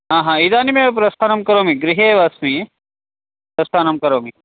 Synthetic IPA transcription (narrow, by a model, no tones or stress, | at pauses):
ɦaːɦãːid̪aːnimep̬ɾɐst̪ʰaːnɐmkɐɾoːmiɡɾiɦeːʋasmi | pɾɐst̪ʰaːnɐmkɐɾoːmi